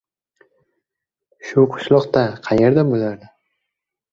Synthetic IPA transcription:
ʃʊqʰʊ̥ʃlˠɒqt̪aqʰɑje̞ɾd̪abolaɾd̪ɪ

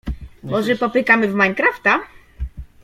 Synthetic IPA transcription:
bɔʐɛpɔpɘkamɘvmajɲkɾaft̪a

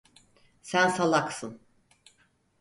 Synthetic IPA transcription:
sænsalˠaksɯn

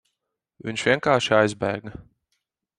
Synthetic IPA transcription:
vḭɲʃvʲiɛŋkaːɾʃiajzbæ̰ːɡa

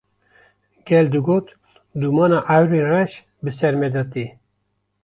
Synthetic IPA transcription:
ɡ̥ɛld̪ɨɡot̪ | d̪umɑːnɑʔawɾinrɛʃ | bɨsɛɾmɛd̪ɑt̪i

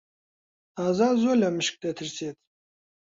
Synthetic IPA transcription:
aːzaːzolʲamɨɕk̚d̪et̪ʰɨɾseːt̪̚

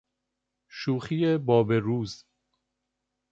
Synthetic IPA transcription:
ʃuːxijebɒːbeɾuːz

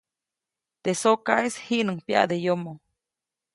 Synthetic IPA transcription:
t̪esokaeshiʔnəŋpja̰ʔd̪ejomo

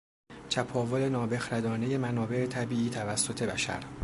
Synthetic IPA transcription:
t͡ʃʰæpʰɒːvole̞nɒːbe̞xɾæd̪ɒːneje̞mænɒːbe̞ʔe̞t̪ʰæbiːiːt̪ʰævæsːo̞t̪ʰe̞bæ̰ʃæ̰ɾ

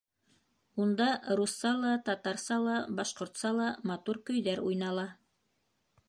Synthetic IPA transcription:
und̪ɑɾusːɑlˠɑt̪ɑt̪ɑɾsɑlˠɑbɑʃqŏɾt̪sɑlˠɑmɑt̪uɾkɵ̆jðæɾujnɑlˠɑ

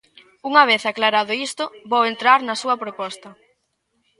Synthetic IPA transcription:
uŋɐβ̞eθaklaɾaðʊist̪ʊβowent̪ɾaɾnɐsuɐpɾopɔst̪ɐ

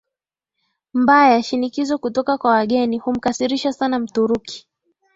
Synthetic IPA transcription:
mbajaʃinikizɔkutɔkakwawaɠɛnihum̩kasiɾiʃasanam̩tuɾuki̥

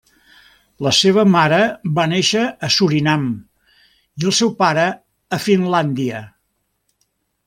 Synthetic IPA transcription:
ləseβ̞əmaɾəbaneʃəːsuɾinam | iəlˠsɛwpaɾəː | finland̪iə

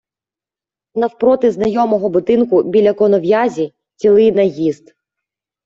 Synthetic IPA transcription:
nɐwpɾɔt̪ɪznɐjɔmɔɦɔbʊd̪ɪnkʊbʲilʲɐkɔnɔʋjazʲi | t͡sʲilˠɪjnɐjizd̪

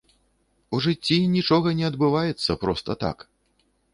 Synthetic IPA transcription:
uʐɨt͡sʲːinʲit͡ʂɔɣɐnʲɛɐd̪bɨvajɛt̪sːɐpɾɔst̪ɐt̪a̰k

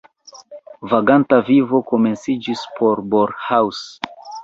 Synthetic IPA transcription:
vaɡantavivo̞ko̞me̞nsid͡ʒispʰo̞ɾboɾhaws

